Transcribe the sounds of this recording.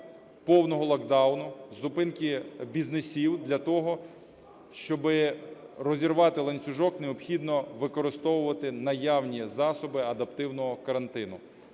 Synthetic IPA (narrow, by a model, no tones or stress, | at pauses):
pɔwnɔɦɔlˠɐɡd̪ɑwnʊzʊpɪnkʲibʲiznesʲiwd̪lʲɐt̪ɔɦɔ | ʃt͡ʃɔbɪrɔzʲirʋɑt̪ɪlˠɐnʲt͡sʲʊʒɔkneɔpxʲid̪nɔʋɪkɔɾɪst̪ɔwʊʋɐt̪ɪnɐjɑwnʲizɑsɔbɪɐd̪ɐpt̪ɪwnɔɦɔkɐɾɐnt̪ɪnʊ